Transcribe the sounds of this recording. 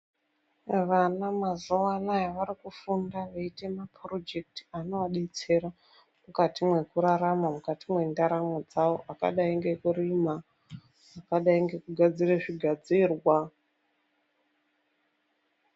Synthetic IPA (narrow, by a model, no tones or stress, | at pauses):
ʋanamazowanajaʋaɾikufundaʋeite̞maprod͡ʒe̞k̚ti̥ano̞waɗet͡se̞ɾa | mukatimwe̞kuɾaɾamamukatimwe̞ndaɾamod͡zaoʔaka̰ɗaiŋɡe̞kuɾimaː | kaɗaiŋɡe̞kuɡʱad͡zireʐiɡʱad͡ziːrwa